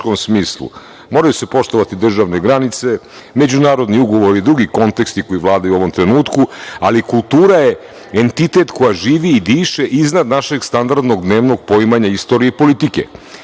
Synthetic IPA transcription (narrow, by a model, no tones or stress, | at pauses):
komsmiːslṵ | moːɾajuse̞po̞ʃt̪oʋat̪id̪r̩ʒaʋne̞ɡɾanit̪se̞ | me̞d͡ʑunaːɾo̞d̪niuɡo̞ʋo̞ɾid̪ɾuɡiko̞nt̪e̞kst̪iko̞jiʋlˠaːd̪ajuo̞ʋo̞mt̪ɾe̞nuːt̪kualikulˠt̪uːɾaje | ent̪it̪e̞t̪ko̞jaʒiːʋiːd̪iːʃeʔiznad̪naʃeɡst̪and̪aɾd̪no̞ɡd̪ne̞ːʋno̞ɡ̚poimaɲaist̪o̞ːɾieipo̞lit̪ikḛ